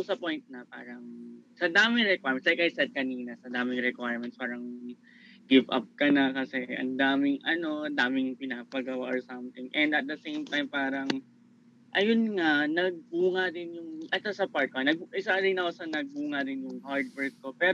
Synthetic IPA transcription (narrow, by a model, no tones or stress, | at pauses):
sɐpojnt̪̚nɐpa̰ːɾɐŋsɐd̪aːmɪŋɾɛkwajmɛnt̪slajkʔɐjsɛd̪̚kɐniːnɐsɐd̪aːmɪŋɾɛkwajɹmɛnt̪spaːɾɐŋ | ɡɪvɐ̰p̚kɐnakɐsɛʔɐ̰nd̪aːmɪŋʔɐno̞ʔɐnd̪aːmɪŋpɪnapɐɡɐwaʔoɹsɐmt̪ɪŋʔɛ̃nd̪ɐt̪̚d̪ɐsejmt̪ajmpaːɾɐŋ | ʔɐjʊnŋanɐɡ̚buːŋad̪ɪnjʊŋʔɐsasɐpaɹt̪koɐnɐɡʔɪsad̪ɪnɐkosɐnɐɡ̚buːŋɐd̪ɪnjʊŋhaɹd̪̚wɛɹt̪̚ko̞pɛː